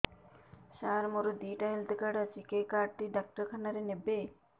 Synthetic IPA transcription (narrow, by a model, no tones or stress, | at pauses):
ʃaɾmoɾod̪iːʈajlt̪ekaɖasikekaːɖʈiɖak̚ʈɐɾkʰanaɾenebe